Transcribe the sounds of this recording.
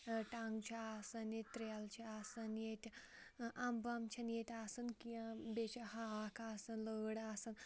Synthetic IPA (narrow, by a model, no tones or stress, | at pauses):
ʈaŋɡt͡ʃʰiaːsɐnjet̪ʲt̪ɾelt͡ʃʰiasɐnjet̪ʲʰ | ʔɐmbɐmt͡ʃʰɐnjet̪ʰʲasɐnkiãbet͡ʃʰɐhakaːsɐnləːɽaːsɐn